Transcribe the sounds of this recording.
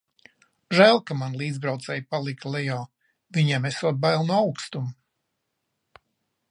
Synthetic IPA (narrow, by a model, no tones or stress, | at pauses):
ʒæːlˠkamanlˠiːd̪zbɾawt̪sɛjpalˠiklˠɛjɔː | viɲɛmɛsuɔd̪̚bajlˠnuawkst̪um